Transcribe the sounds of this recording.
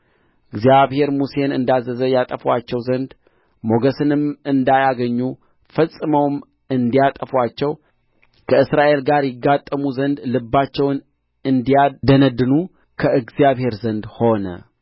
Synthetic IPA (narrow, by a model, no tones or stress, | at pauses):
ʔɨɡzijaβhe̞ɾmuse̞nɨnd̪azːəzəjat̪ʼəfwat͡ʃːɛwzənd̪ | mo̞ɡəsɨnɨmɨnd̪ajaɡəɲːu | fəsʼɨməwm | ɨnd̪ijat̪ʼəfwat͡ʃːɛw | kʰəɨsɾaʔe̞lɡaɾjɪɡːat̪ʼːəmuzənd̪lɨbːat͡ʃːɛwn | ɨnd̪ijad̪ənəd̪ɨnu | kʰəʔɨɡzijaβhe̞ɾzənd̪ho̞nə̰